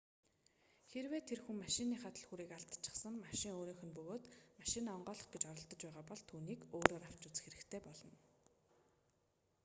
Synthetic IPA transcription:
xeɾweːt̪ʰerxuŋmaʃɪniːχat̪ə̆ɮxuɾiːkaɬt̪ə̥t͡ɕʰɪ̥̆χsə̆ŋmaʃɪ̆ŋoːɾiːŋxɵ̆npɵɣoːt̪maʃɪ̆naːɔɴɢœːɮɞ̆χɡet͡ɕɔɾɞ̆ɮt̪ɞ̆t͡ɕpæːʁaːpɔɮt̪ʰuːniːkoːɾoːɾaw̥t͡ɕut͡s̆xeɾɘ̆kt̪ʰeːpɔɮɞ̆n

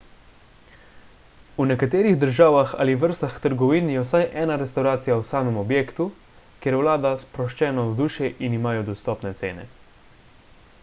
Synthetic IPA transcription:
unɛkat̪eːɾiɣd̪əɾʒaːʋaxa̰ːliʋəɾst̪axt̪əɾɡɔʋiːnjɛwsajʔɛːnaɾɛst̪awɾaːt̪sijawsaːmɛmɔbjeːkt̪u | kjeɾwlaːd̪aspɾɔʃt͡ʃɛːnɔzd̪uːʃɛʔinimaːjɔd̪ɔst̪ɔːpnɛt̪sḛːnɛ̰

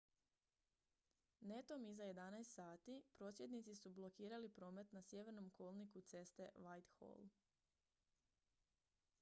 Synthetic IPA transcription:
ne̞t̪o̞mizajed̪anajst̪saːt̪ipɾo̞ːsje̞d̪nit̪sisublˠo̞kiːɾalipɾo̞ːme̞t̪nasje̞ʋe̞ɾno̞mkʰo̞lˠnikut̪se̞st̪e̞ʋajt̪xo̰lˠ

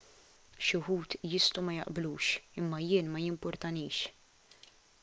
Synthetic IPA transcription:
ʃʊħuːt̪jɪst̪umɐjɐ̰ʔbluːʃɪmːɐjɪːnmɐjɪmpʊɾt̪ɐniːʃ

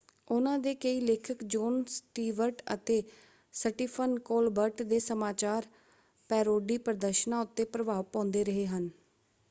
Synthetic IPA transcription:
ʊnãːd̪eːkəiːleːkʰəkd͡ʒɔːnsʈiːʋəɾʈə̰t̪eː | səʈiːpʰənkoːlbəɾʈd̪eːsəmaːt͡ʃaːɾ | pɛːɾoːɖiːpəɾəd̪əɾʃnãːʊt̪ːeːpɾəʋaːʋpɔ̃ːnd̪eːɾəɦeːɦən

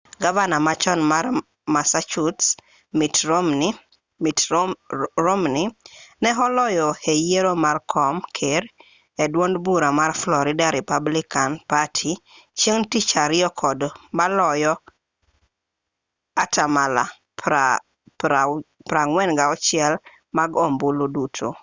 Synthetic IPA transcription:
ɡavanamat͡ʃɔnmar | masat͡ʃuts | mitɾomn | it | ɾomninɛɦɔlɔjɔhejeɾomarkʰɔmkʰeɾ | edwondbuɾamarflɔɾɪdaɾipablɪkanpatʰit͡ʃjeŋtit͡ʃaɾɪɔkʰɔdmalɔjɔ | atamala̰ | a | pɾaŋwɛnɡaɔt͡ʃɪɛl | maɡɔmbolodutʰo

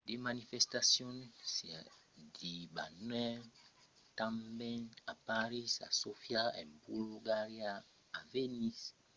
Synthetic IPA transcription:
demãnifɛstasjɔ̃nsiadibanwɛ | tãmbɛ̃napaɾisa̰sofjaɛ̰̃mbuluɡaɾjaː | venis

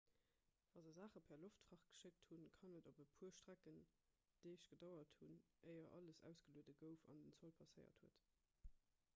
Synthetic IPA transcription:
vɑːzɐzaːχəpʰɛɐloftfʁɑχɡ̥ə̥ʃek̚tʰhunkʰɑnədobəpʰuːɐʃtʁ̥ækən | d̥əɪʃɡ̥ədɑʊɐthun | əɪɐʔɑ̰ləsæ̰ʊsɡ̥əluətəɡəʊfɑ̰ndənt͡solpʰɑsəɪɐ̰thuət

